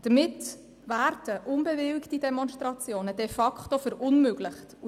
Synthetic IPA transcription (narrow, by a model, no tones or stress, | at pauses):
d̥əmɪt | væːɾd̥əʔʊnbɛvɪlktidɛmɔnʃtʁɑt͡sjoːnədɛfɑkχtofəɾʊnmøɡ̥lɪχtu